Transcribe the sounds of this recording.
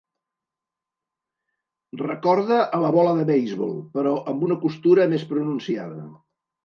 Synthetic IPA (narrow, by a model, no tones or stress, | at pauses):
rəkɔɾðəʔːləβɔləðəβɛjzβo̰lˠpəɾɔʔəmbunəkust̪uɾəmespɾununsiaðə̰